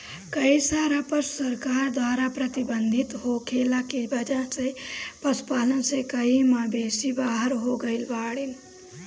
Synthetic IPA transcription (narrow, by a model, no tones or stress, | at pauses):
kəisaːɾãpəssɐɾkaːɾd̪waːɾapɾɐt̪ibənd̪ʱit̪ɦokʰeːlakibɐd͡ʒasepɐspaːlənsekəimãbeːsibaːɦəɾɦoɡəɪlʋaːɽin